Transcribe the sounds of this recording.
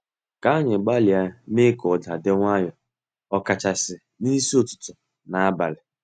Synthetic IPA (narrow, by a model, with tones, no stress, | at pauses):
ka˨˦ɲɪ˨ɡ͡ba˦li˨a˦me˦kɔ˨da˨de˦ŋʷa˦ɲɔ˨ | ɔ˨ka˨t͡ʃa˨sɪ˨ | ni˦si˦o˨tʊ̥˨tʊ˨ | na˨a˦ba˨lɪ˨